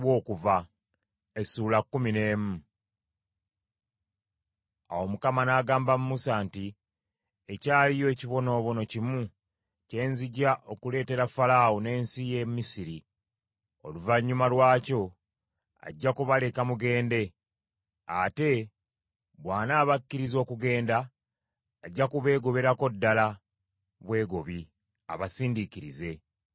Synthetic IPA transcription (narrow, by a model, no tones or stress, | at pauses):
wo̞ːkuva | esuːlakːumine̞ːmu | a̰wo̞mukamanaːɡaːmbamumusanti | ecaːlijo̞eciβo̞no̞ːβo̞no̞cimu | ce̞ːnziɟaʔo̞kule̞ːte̞ɾafalawone̞ːnsije̞misiɾi | o̞̰luvaɲːumalwaːco̞ | a̰ɟːakuβale̞kamuɡe̞ːnde̞ | ate̞ | βwaːnaːβakːiɾizo̞ːkuɡe̞ːndaː | ɟːakuβe̞ːɡo̞βe̞ɾako̞dːala | βwe̞ːɡo̞βi | a̰βasiːndikiɾize̞